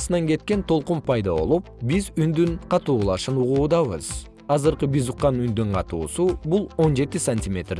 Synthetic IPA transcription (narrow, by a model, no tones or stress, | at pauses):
sɯnɑŋɡe̞t̪̚ke̞nt̪ʰo̞lˠqumpʰɑjd̪ɑβo̞̰lˠup̚bizynd̪ynqʰɑt̪uːlˠɑʃɯnuʁuːd̪ɑβɯ̰z̥ | ɑzɯɾqɯbizuqːɑnynd̪yɴqʰɑt̪ṵːsubulˠo̞nd͡ʒe̞t̪isɐnʲtʲimʲe̞t̪r